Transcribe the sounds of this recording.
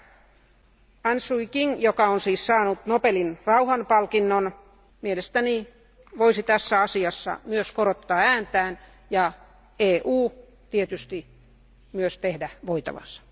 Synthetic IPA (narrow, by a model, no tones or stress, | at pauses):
ɑnsuikiŋjokɑonsiːssɑːnut̪nopelinrɑuhɑnpɑlkinːon | mielest̪æni | ʋoisit̪æsːæɑsiɑsːɑ̰myøskoɾot̪ːɑːæːnt̪æːn | jɑ | eːʔuː | t̪iet̪yst̪i | myøst̪ehdæʋoit̪ɑ̰ʋɑ̰sɑ̥